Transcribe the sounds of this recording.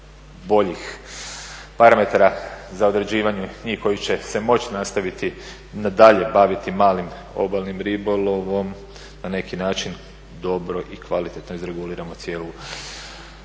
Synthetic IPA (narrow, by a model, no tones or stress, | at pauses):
bo̞ʎix | paɾame̞t̪aɾazao̞d̪ɾe̞d͡ʑiːʋaɲuɲiːhko̞jit͡ɕe̞se̞mo̞t͡ɕi̥nast̪aʋit̪i | nad̪aʎe̞baʋit̪imaːlim | o̞̰balnimɾibolˠo̞ʋo̞m | nane̞kinaːt͡ʃin | d̪o̞bɾo̞ʔikʋalit̪e̞t̪no̞izɾe̞ɡuliːɾamo̞t̪sje̞ːlu